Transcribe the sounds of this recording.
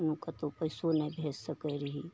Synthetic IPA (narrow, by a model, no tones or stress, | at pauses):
nukat̪opəɪsonəjbʱed͡ʒsəkəɾəɦi